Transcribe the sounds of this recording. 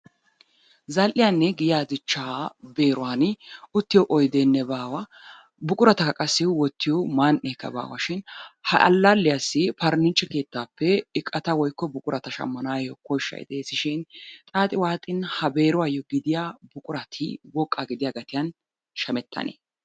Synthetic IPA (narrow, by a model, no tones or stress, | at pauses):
zɐlʔɪjanːɛɡɪjaːd̪ɪt͡ʃːaːbe̞ːɾʊwaːnʊt̪ːɪjɔʔɔjd̪eːnːɛbaːwɐ | bʊkʼʊɾɐt̪ɐkɐkʼɐsːɪwɔt̪ːɪjɔmanʔɛkːɐ̰ba̰ːwɐ̰ʃɪnhɐ̰ʔɐ̰lːalːɪjasːɪpɐɾnɪnt͡ʃʼːɛke̞ːt̪ːaːpːɛɪkʼːɐt̪ɐwɔjkːɔbʊkʼʊɾɐt̪ɐʃɐ̰mːɐnaːjɔkɔjʃːɐ̰jɪ̰d̪ɛsɪʃɪnt̪ʼaːt̪ʼɪwaːt̪ʼɪnhɐbe̞ːɾʊwaːjɔɡɪd̪ɪjabʊkʼʊɾɐt̪ʰɪwɔkʼːaɡɪd̪ɪjaːɡɐt̪ɪjɐn | ʃɐmɛt̪ːɐ̰nḛː